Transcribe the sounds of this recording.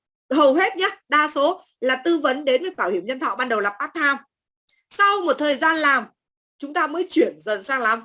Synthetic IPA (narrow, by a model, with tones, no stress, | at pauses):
hə˨˩wɦe˦˥t̚ɲaː˦ɗaː˧so˨˦ | laː˨˩t̪ɨ˧və˨˦nɗe˨˦nvəː˨˩jɓaː˧˩whi˧˩əmɲə˧nt̪ʰɔ̰˧˨ɓaː˧nɗə˨˩wlaː˨˩ɓaː˦˥k̚t̪ʰaː˧m | sa˧wmo˨˩t̚t̪ʰəː˨˩jzaː˧nlaː˨˩m | t͡ɕʊ˨˦ŋ͡mt̪aː˧məː˨˦jt͡ɕwi˧˩ənzə˨˩nsaː˧ŋla˨˦m